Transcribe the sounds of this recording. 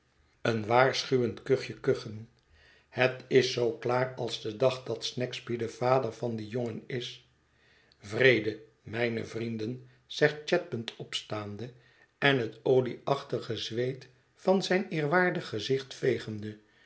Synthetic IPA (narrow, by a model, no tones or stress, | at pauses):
ənʋaːɹsχyʋəntkøχjəkøχən | hətɪsːowklaːrɑlˠzdədɑχdɑt̪snɛkzbidəvaːdəɹvɑndijoŋənɪs | vrejdə | mɛjnə̰vrindən | zɛχt̚t͡ʃɛt̚bəntɔpstaːndə | ɛnɦətowliɑχtəχəzʋejt | fɑnzɛjnɪːrʋaːɹdəχəzɪχtfejχəndə